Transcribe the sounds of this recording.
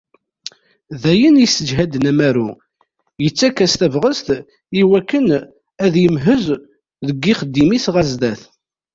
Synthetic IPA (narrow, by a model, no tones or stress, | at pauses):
ðæjənjisəd͡ʒɦæd̪ənæmæɾu | jət͡sːækːæst̪ævʁəst̪ | iwækːən | æðjəmɦəz | ðəɡːiχəd̪ːimisʁæzd̪æθ